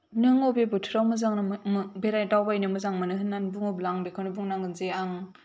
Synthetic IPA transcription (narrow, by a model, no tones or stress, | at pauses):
nɯŋobebɯtʰɯɾawmɯzaŋnmbeɾajtawbajnɯmɯzaŋmɯnɯɦɯnːanbuŋoblaŋbekʰɯnɯbuŋnaŋɡɯnzeaŋ